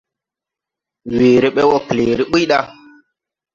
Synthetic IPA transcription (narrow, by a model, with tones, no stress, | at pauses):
we˨ɾe˦ɓe˦wɔ˦kle˨ɾi˦ɓi˦jɗa˦